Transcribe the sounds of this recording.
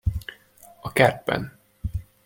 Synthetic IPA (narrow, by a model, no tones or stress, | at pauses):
ɒkɛr̚bɛ̰n